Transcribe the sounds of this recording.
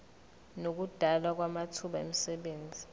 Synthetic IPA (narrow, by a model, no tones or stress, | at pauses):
nok̬ud̥ʱalwak̬wamatʰuɓaḛmisɛɓeːnd͡zʱi